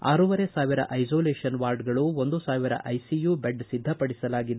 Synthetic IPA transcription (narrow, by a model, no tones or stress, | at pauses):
a̰ːɾuʋɐɾesaːʋiɾɐ̰ʔɐjd͡ʒoːleːʂɐnʋaːɾɖɡɐɭuond̪usaːʋiɾɐ̰ʔɐjsijubeɖsid̪ʱːɐpɐɽisɐlaːɡid̪